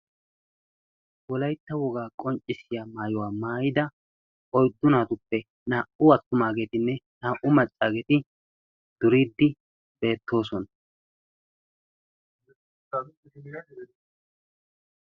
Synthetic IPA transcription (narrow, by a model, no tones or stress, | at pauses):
wɔlɐjt̪ːɐwɔɡaːkʼɔnt͡ʃʼːɪsɪjaːmaːjɔwaːmaːjɪd̪ɐ | ɔjd̪ːʊnaːt̪ʊpːɛ | naːʔʊɐt̪ːʊmaːɡe̞ːt̪ɪnːɛnaːʔʊmɐt͡sʼːaːɡɛt̪ɪ | d̪̥ʊɾiːd̪ːɪ | be̞ːt̪ːo̞ːs̬ɔn